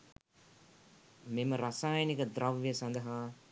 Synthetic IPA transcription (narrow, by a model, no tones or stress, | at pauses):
meməɾɐsaːjɐnikəd̪ɾɐʋʋijəsɐnd̪ɐɦaː